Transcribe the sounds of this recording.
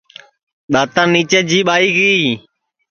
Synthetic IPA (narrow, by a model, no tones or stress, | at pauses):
ɗ̪aːt̪ãːniːt͡ʃeːd͡ʒiːɓaːiːɡəiː